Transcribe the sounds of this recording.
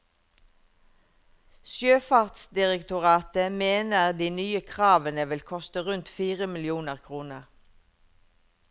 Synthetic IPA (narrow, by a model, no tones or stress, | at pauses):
sjøːfɑːʁt̪sd̪ɪʁəkt̪ʊʁɑːt̪əmeːnəʁd̪iːnyːəkʰʁɑːʋənəʋɪlkʰɔst̪əʁʉnt̪fiːʁəmɪlɪuːnəʁkʰʁuːnəʁ